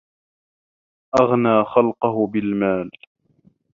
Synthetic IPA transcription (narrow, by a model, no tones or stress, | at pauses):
ʔaɣnaːxalqɑɦʊbɪlmaːl